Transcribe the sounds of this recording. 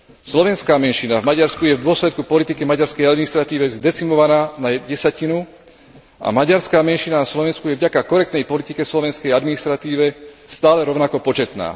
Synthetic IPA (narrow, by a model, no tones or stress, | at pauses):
slɔʋɛnskaːmɛnʃinavmaɟaɾskujɛvd̪ʊɔslɛt̪kupɔlit̪ikɛmaɟaɾskɛjad̪minist̪ɾat̪iːʋɛzd̪ɛt͡simɔʋanaːnaɟɛsacinu | ʔa̰maɟaɾskaːmɛnʃinanaslɔʋɛnskujɛvɟakakɔɾɛk̚t̪nɛjpɔlit̪ikɛslɔʋɛnskɛjad̪minist̪ɾat̪iːʋɛst̪aːlɛɾɔʊnakɔpɔt͡ʃɛt̪na̰ː